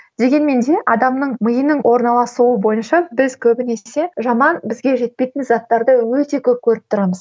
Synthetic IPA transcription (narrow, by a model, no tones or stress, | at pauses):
d̪e̞ɡʲe̞nme̞nd̪e̞ʔɑd̪ɑmnəɴməjənəɴwʔo̞ɾnɑlˠɑsuwəbo̞jənʃɑbɪzkʲʰɵbɪne̞se̞ʒɑmɑnbɪzɡʲe̞ʒe̞t̪̚pe̞jt̪ɪnzɑt̪ːɑɾd̪əwɵt̪e̞kʲʰɵp̚kʲʰɵɾɪp̚t̪ʰʊɾɑməz̥